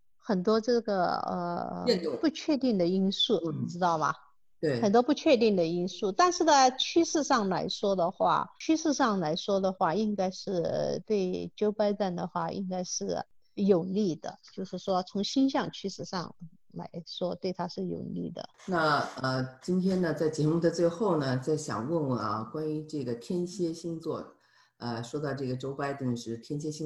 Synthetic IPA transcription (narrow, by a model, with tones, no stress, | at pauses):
xə˨˩nt̪wɔ˥ʈ͡ʂɤ˥˩ɡə˩ə̰˧ə̰˧˥pu˥˧t͡ɕʰɥɛ˥˧t̪i˥˩ŋd̪ə˩i˥nsu˥˩ɔ˨˩mə˥˩ʈ͡ʂɻ̩˥t̪ɑ˥˩ʊmɐ̰˩˧ | xə˨˩nt̪wɔ˥pu˥˧t͡ɕʰɥɛ˥˧t̪i˥˩ŋd̪ə˩i˥nsu˥˩t̪a˥˧nʂɻ̩˥˩d̪ə˧˩t͡ɕʰy˥ʂɻ̩˥˧ʂɑ˥˩ŋla˧˥ɪʂwɔ˥d̪ə˨xwa̰˥˩t͡ɕʰy˥ʂɻ̩˥˧ʂɑ˥˩ŋla˧˥ɪʂwɔ˥d̪ə˨xwa˥˩i˥ŋka˥ɪʂɻ̩˥˩t̪we˥˩ɪt͡ɕjo˥ʊpa˥ɪt͡sa˥˩nd̪ə˩xwa˥˩ʔḭ˥ŋka˥ɪʂɻ̩˥˩jo˨˩ʊli˥˩d̪̥ə̰˩t͡ɕjo˥˧ʊʂɻ̩˥˩ʂwɔ˥t͡sʰʊ˧˥ŋɕi˥nɕjɑ˥˧ŋt͡ɕʰy˥ʂɻ̩˥˧ʂɑ̰˥˧ŋ | la̰˧˥ɪʂwɔ˥t̪we˥˩ɪt̪ʰa˥ʂɻ̩˥˩jo̰˨˩ʊlḭ˥˩d̪ə̰˩na˥˧˩ə˧t͡ɕi˥nt̪ʰjɛ˥nd̪ə˨t͡sa˥˩ɪt͡ɕjɛ˧˥mu˥˩d̪ə˩t͡swe˥˧ɪxo˥˩ʊnə˩t͡sa˥˩ɪɕjɑ̰˨˩ŋwə˥˩nwə˩ɐ̰˧kwa˥ny˧˥ʈ͡ʂɤ˥˩ɡə˩t̪ʰjɛ˥nɕjɛ˥ɕi˥ŋt͡swɔ˥˩ | ə˧ʂwɔ˥t̪ɑ˥˧ʊʈ͡ʂɤ˥˩ɡə˩ʈ͡ʂo˥ʊpa˥ɪt̪i˥˧ŋʂɻ̩˥˩t̪ʰjɛ˥nɕ̬jɛ˥ɕi˥ŋ